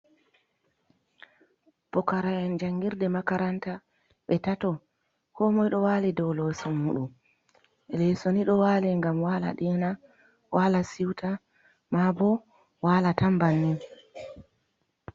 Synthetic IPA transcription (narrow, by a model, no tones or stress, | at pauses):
pɔkaɾaɛnd͡ʒaŋɡiɾdɛmakaɾanta | ɓɛtatɔ | kɔmɔjɗɔwaːlidɔwlɔsɔːuɗum | ɛlɛsoniɗɔwaːlɛŋɡamwala̰ɗɛna | walasiwtʰa | mabɔ | waːlatambanːin